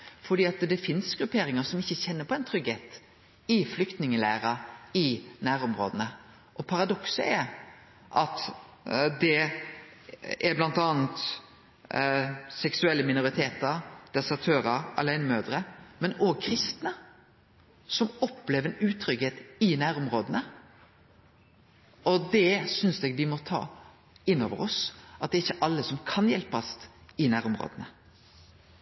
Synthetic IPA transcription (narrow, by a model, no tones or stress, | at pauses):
fɔɖ̪iːɑt̪d̪ɛfɪnsɡɾʉpʰeːɾɪŋəsɔmɪçːəçɛnːəpʰɔɛnt̪ʰɾʏɡheːt̪ | ɪflʏkt̪nɪŋəlæ̰ːɾəɪnæːɾɔmɾo̰ːd̪ənə | ʔɔpʰɑɾɑd̪ɔksə̰ɛɾ | ʔɑt̪ | d̪ɛ | æɾblɑnt̪ɑːnt̪ | sɛksʉɛlːəmɪnʊɾɪt̪ʰeːt̪əɾd̪̥ɛsɑt̪ʰøːɾəɾɑ̰læɪnəmøːd̪ɾəmɛnoːɡ̚kʰɾɪst̪nə | sɔmɔpːleːʋəɾɛnʉːt̪ʰɾʏɡheːt̪ɪnæːɾʊmɾoːd̪ənə | ɔd̪ɛsʏnsd̪ɛɡʋɪmɔt̪ʰɑ̰ː | ɪnːo̰ːʋə̰ɾɔsʔɑt̪̚d̪ɛːɾɪçːəʔɑlːəsɔmkʰɑnjɛlpɑst̪ɪnæːɾɔmɾo̰ːd̪ənə